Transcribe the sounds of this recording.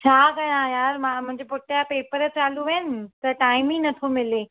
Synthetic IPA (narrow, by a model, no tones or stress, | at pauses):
t͡ɕʰaːkɐɽ̃ãjaːɾmãmʊ̃ɪ̃ɲd͡ʑepʊʈapeːpəɾə̆t͡ɕaːluʋɐɪnɪ̆t̪ɐʈaːɪmĩnɐt̪ʰomɪle